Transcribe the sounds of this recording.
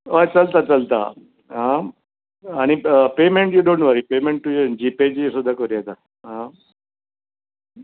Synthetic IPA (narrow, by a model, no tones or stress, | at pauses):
ojt͡səlt̪at͡səlt̪a̰ | ɦã | añipemẽɳʈjuɖõɳʈʋəɾipemẽɳʈːujed͡ʑiped͡ʑesud̪ʱːakəɾijet̪a | ɦã